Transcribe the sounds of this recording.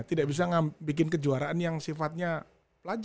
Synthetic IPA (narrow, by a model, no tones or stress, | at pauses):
t̪idaʔbis̬aŋabik̬ɪnkəd͡ʒuaɾaʔanjaŋsifat̪̚ɲa | pəlad͡ʒ